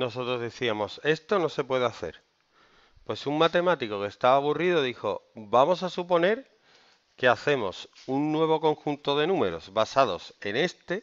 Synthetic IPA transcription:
no̞so̞t̪ɾo̞zðeθiamo̞se̞st̪o̞no̞se̞pwe̞ð̞eaθe̞̰ɾ | pwe̞suŋmat̪e̞mat̪iko̞ke̞st̪aβaβuriðo̞ðixo̞̰bamo̞sasupo̞ne̞ɾ | ke̞aθe̞mo̞s | unːwe̞β̞o̞ko̞ŋxunt̪o̞ð̞e̞nũme̞ɾo̞̰zβasað̞o̞se̞ne̞st̪e̞

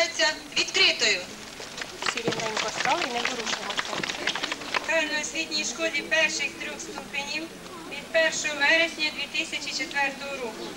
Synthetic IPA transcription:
et͡sʲːɐ | ʋʲit̪kɾɪt̪ɔjʊ | sʲiɾʲinɛnʲkɔsk̪ɑlˠɪjnɛd̪ɔɾuʃɪmɔsʲɐ | k̪ɑjnɔjɔsʲʋʲid̪ʲnʲijʃkɔlʲipɛrʃɪxt̪ɾʲɔxst̪upenʲiw | ʋʲid̪̚pɛrʃɔɔʋɛɾesʲnʲɐd̪ʋʲit̪ɪsʲɐt͡ʃit͡ʃet̪ʋɛrt̪ɔɦɔɾɔkʊ

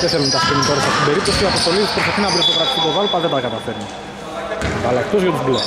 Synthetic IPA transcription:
t̪eθelunt̪ɐsp̪enit̪oɾesɐo̥t̪ibe̞ɾip̚t̪o̞siɐpo̞st̪o̞lispɾosɐtinɐbɾit̪okɾɐt̪i̥st̪it̪ovalpɐðed̪ɐkɐt̪ɐfeɾni | bɐlɐkt̪ozʝot̪ub̪u

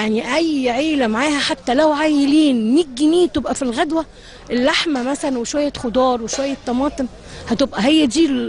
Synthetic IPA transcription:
jaʕniʔæjʕiːlæmaʕaːhæħat̪ːælæwʕaːjeliːnːiɡːiniːt̪ebʔæfilɣæd̪wæ | ʔelːaħmæmæsælænweʃwæjːæxod̪ˤɑːɾˤweʃwæjːæt̪ˤːɑmɑːt̪ˤem | hæt̪ebʔæɦejːæd̪iː

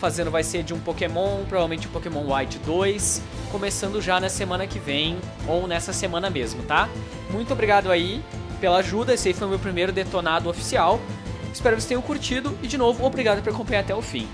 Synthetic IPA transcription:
fazẽnd̪ʊvajseɾd͡ʒɪũpokemõw̃pɾovavewmẽnt͡ʃɪũpokemõw̃wajt͡ʃɪd̪ojs | kõmesɐ̃nd̪ʊʒanɐsemɐ̃nɐkɪvẽj̃ | ownɛsɐsemɐ̃nɐmezmʊt̪a | mũj̃t̪ʊobɾiɡad̪ʊai | pelɐaʒud̪ɐesaifojʊmewpɾimejɾʊd̪et̪onad̪ʊofi̥siawɪ̥spɛɾʊkvst̪ẽjʊ̃kuɾt͡ʃid̪ʊɪd͡ʒɪnovʊobɾiɡad̪ʊpoɾakõpɐ̃ɲaɾat̪ɛʊfḭ̃

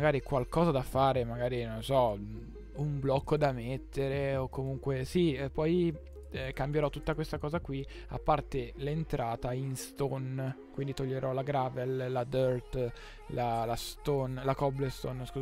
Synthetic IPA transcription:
aɡaːɾikwalkɔːzad̪afaːɾemaɡaːɾinonsɔ | umblɔkːod̪amet̪ʰːeɾeokːomuŋkwesipɔj | kambjeɾɔt̪ːut̪ːakwest̪akɔːzakwi | a̰pːart̪elent̪ɾaːt̪ainst̪onkwind̪it̪oʎːeɾʔɔlaɡɾaːvellad̪øɾt̪ | lalast̪onlakɔblest̪onsku

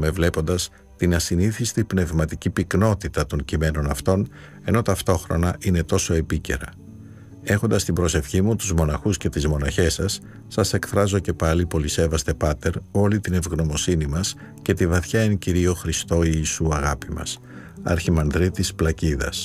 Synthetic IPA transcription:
me̞vle̞po̞nd̪ɐs | t̪inɐsiniθist̪ipne̞vmɐt̪icipikno̞t̪it̪ɐt̪o̞ɲcime̞no̞nɐft̪o̞n | e̞no̞t̪ɐft̪o̞xɾo̞̰nɐʔine̞t̪o̞so̞e̞pice̞̰ɾɐ | e̞xo̞nd̪ɐst̪ibɾo̞se̞fçimut̪uzmo̞nɐxusce̞t̪izmo̞nɐçe̞sɐsː | ɐse̞kθɾɐzo̞ce̞pɐlipo̞lise̞vɐst̪e̞pɐt̪e̞ɾo̞lit̪ine̞vɣno̞mo̞sinimɐs | ce̞t̪ivɐθçɐenciɾio̞xɾist̪o̞iːsuɐɣɐpimɐ̰s | ɐ̰ɾçimɐnðɾit̪isplɐciðɐ̰s

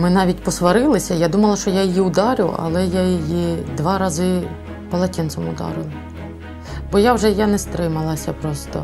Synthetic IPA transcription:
mɪnɑʋʲitʲpɔsʋɐɾɪlˠɪsʲɐjad̪umɐlˠɐʃt͡ʃɔjajijiʊd̪ɑɾʲʊ̰ʔɐ̰lˠɛjajijid̪ʋɑɾɑzɪ | pɐlˠɐtʲinsɔmʊ̰d̪ɑ̰ɾɪlˠɐ | bɔjawʒɛjanɛst̪ɾɪmɐlˠɐsʲɐpɾɔst̪ɔ̰

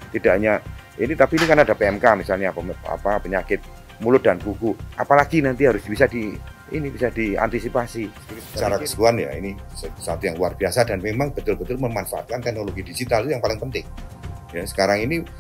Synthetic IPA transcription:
t̪idaʔɲainit̪apiːnikanadapeɛmkamisalɲaa̰papəɲakɪt̪̚ | mulʊt̪̚dankukuʔa̰palaɡinant̪iɦaɾʊsbisadi | ḭnibisadia̰nt̪isipasi | aɾaksə̥k̪uanja̰ḭnisəsat̪ujaŋluarb̥iasadanmemaŋbət̪ʊlbət̪ʊlməmanfaʔa̰t̪̚kant̪ɛk̚noloɡidid͡ʒit̪alit̪ujaŋpalɪŋpənt̪ɪŋ | jasə̥kaɾaŋini

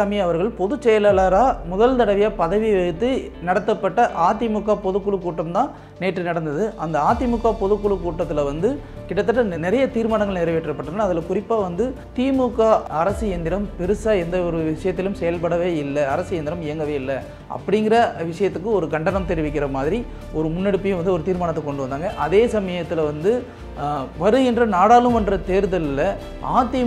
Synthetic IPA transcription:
ɐmiɐʋɐɾɣɐɭpɔðɯt͡ʃːɛjɐlɐlaːɾaːmʊðɐlt̪ɐɽɐʋɪjaːpɐðɐʋiʋɐt̪ːɯ | nɐɽɐt̪ːɐpːɐʈːɐʔaːt̪imuːkːaːpɔðɯkːʊɭɯkːuːʈːɐmt̪ãː | neːʈːɯnɐɽɐnd̪ɐðɯʔɐnd̪ɐaːt̪imukːaːpɔðɯkːʊɭɯkːuːʈːɐt̪ːɪlɐʋɐnd̪ɯ | kɪʈːɐt̪ːɐʈːɐnɪɾɐjɐt̪iːɾmaːnɐŋɡɐɭnɛɾɐʋɛʈːɪɾɐpːɐʈːɐnːɐɐðɪlɐkʊrɪpːaːʋɐnd̪ɯ | t̪iːmuːkːaːɐɾɐsɯɛnd̪ɪɾɐmpɛɾɯsaːɛnd̪ɐɔɾɯʋɪʂɐjɐt̪ːɪlɯmsɛjɐlpɐɽɐʋeːɪlːɐɐɾɐsɯjɛnd̪ɪɾɐmɪjɐŋɡɐʋeːɪlːɐ | ʔɐ̰pːɐɽɪŋɡɪɾɐʋɪʂɐjɐt̪ːɯkːɯɔɾɯɡɐɳɖɐnɐmt̪ɛɾɪʋɪk̬ʲːɪrɐmaːðɪɾi | ɔɾɯmʊnːɛɽɯpːɪjɐ̃ʋɐnd̪ɯɔɾɯt̪iːɾmaːɳɐt̪ːɐkːɔɳɖɯʋɐnd̪aːŋɡɐʔɐðeːsɐmɐjɐt̪ːɪlɐʋɐnd̪ɯ | ʋɐɾɯɣɪndrɐnaːɽaːlɯmɛndrɐt̪eːɾðɐlɪlːɐ | a̰ːt̪ːɪ

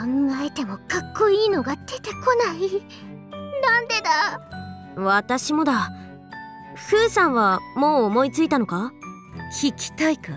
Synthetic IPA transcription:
ãŋɡae̞t̪e̞mo̞kakːo̞iːno̞ɡad̪̥e̞t̪e̞ko̞nai | nãnd̪e̞d̪a | βat̪aɕimo̞d̪a | hɯ̟ːsãɰ̃βamo̞ːmo̞it͡sɨit̪ano̞ka | kʲʰikʲi̥t̪aika

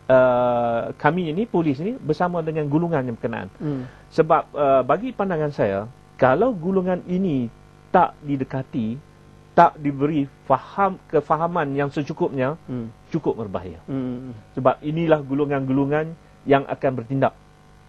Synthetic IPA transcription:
ə | kʰamĩːnipulɪs̬inibərsamãdəŋãnɡuluŋanjapərkəna̰ʔa̰n | səbap̚əbaɡipandaŋansaja | kalawɡuluŋãnini | t̪aʔdidəkat̪i | t̪aʔdibəɾifahamkəfaɦamãnjaŋsət͡ʃukʊp̚ɲãt͡ʃukʊp̚mərba̰jɪ̰rsəbap̚inilahɡuluŋãnɡuluŋãn | jaŋʔa̰kanbərt̪indaʔ̚

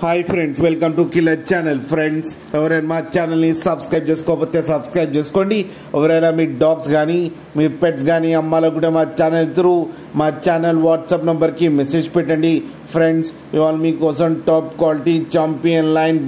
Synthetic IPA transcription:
hajpʰɾeɳɖsʋelkɐmʈukilːɐt͡ʃaːnɐlpʰɾeɳɖs | eʋɐɾemaːt͡ʃaːnɐlnisɐbskɾɐjp̚t͡ʃeːsu̥kɔːpoːt̪eːsɐbskɾɐjp̚t͡ʃeːsu̥koːɳɖi | eʋɐɾɛlaːmiːɖaːksɡaːni | miːpeʈs̬ɡaːniɐmːaːlɐk̬uʈɐmaːt͡ʃaːnɐlt̪ɾu | maːt͡ʃaːnɐlʋaːʈsɐːpnɐmbɐɾkimeseːd͡ʒpɛʈːɐɳɖi | pʰɾeɳɖs | iʋaːlmiːkɔːsɐmʈaːpkʋaːliʈit͡ʃaːmpiɐnlɐjn

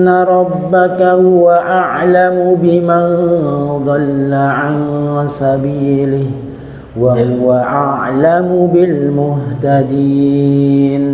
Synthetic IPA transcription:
nːaɾˤɑbːakahʊwaʔaʕlamʊbɪmand̪ˤɑlːaʕansabiːlɪh | wahʊwaʔaʕlamʊbɪlmʊht̪ad̪iː | n

